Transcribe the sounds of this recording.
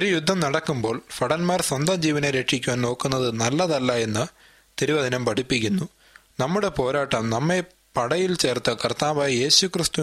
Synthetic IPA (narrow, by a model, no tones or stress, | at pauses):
oɾujud̪ʱːɐmnɐɽɐkːumbo̞ːɭfɐɽɐnmaːrswɐnd̪ɐd͡ʑiːʋɐneɾe̞kʂikʲːuʋaːnno̞ːkːunːɐðɨnɐlːɐðɐlːaje̞nːɨ | t̪iɾiʋɐd̪ʱinɐmpɐʈipːikʲːunːu | nɐmːuɽe̞po̞ːɾaːʈːɐmnɐmːe̞ | pɐɽɐjilt͡ɕe̞ːrt̪ɨkɐrt̪aːʋaːjɐje̞ːɕukrist̪u